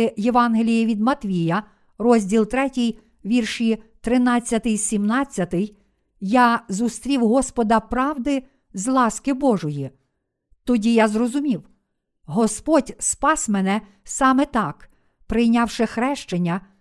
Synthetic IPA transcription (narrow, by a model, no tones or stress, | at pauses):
jeʋɑnɦelʲijiʋʲid̪mɐt̪ʋʲijɐ | ɾɔzʲdʲilˠt̪ɾɛtʲij | ʋʲirʃit̪ɾɪnɑt͡sʲːɐt̪ɪjsʲimnɑt͡sʲːɐt̪ɪj | jɑzʊst̪ɾʲiwɦɔspɔd̪ɐpɾɑwd̪ɪ | zlˠɑskɪbɔʒɔji | t̪ɔdʲijazrɔzʊmʲiw | ɦɔspɔtʲspɑsmɛnɛ | sɑmɛt̪ɑk | pɾɪjnʲɑwʃɪxɾɛʃt͡ʃenʲːɐ